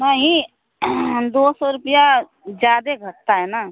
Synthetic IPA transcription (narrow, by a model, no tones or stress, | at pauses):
naɦĩ | d̪osɔɾupija | d͡ʒjaːd̪eɡʱəʈ̪ːaɦɛna